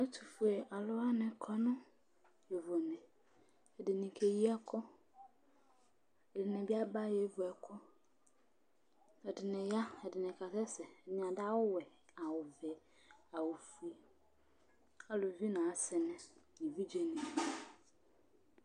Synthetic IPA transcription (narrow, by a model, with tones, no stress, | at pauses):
ɛ˦tʰu˨fu˨e˨ʔa˨lʊ˦a˦nɪ̃˨kʰɔ˦nʊ̃˦ | jɛ˨vo˨mɪ̃˨ | ɛ˨dɪ˨nĩ˨kʰe˨ji˦a˦kʰɔ˦ | ɛ˨dɪ˨nɪ̃˨bi˦a˦ba˦jɛ˨˦vʊ˨ɛ˨kʰɔ˦ | ɛ˨dɪ˨nɪ̃˨ja˦ɛ˨dɪ˨nɪ̃˨kʰa˨tɛ˦sɛ˨ɲ˨a˨da˦wʊ˦wɛ˨ | a˨wʊ˨vɛ˨ | a˨wʊ˨fu˨˦e˨ | a˦lʊ˨vi˦nã˨sɪ˨nɪ̃˦nĩ˨vi˦d͡ʒe˦nĩ˨